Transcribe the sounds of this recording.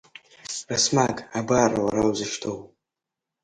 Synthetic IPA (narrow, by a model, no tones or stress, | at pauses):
rasmaɡʼabaːrawaɾawzɨʃtʰow